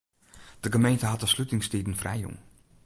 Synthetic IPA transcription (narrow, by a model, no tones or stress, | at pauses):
d̥əɡəmejntəɦɑtəslytɪŋstidn̩frɛ̰jo̰ŋ